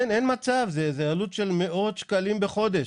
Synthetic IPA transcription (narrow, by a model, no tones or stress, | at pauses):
nʔenmat͡savzezajalut̪ʃe̞lme̞ʔo̞t̪ʃkalimbeχo̞d̪eʃ